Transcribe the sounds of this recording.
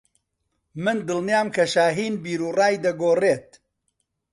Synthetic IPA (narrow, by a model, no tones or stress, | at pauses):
mɨnd̪ɨlˠnijaːmkʰɐʃaːɦiːnbiːɾuːraːjd̪ɐɡoːreːt̪̚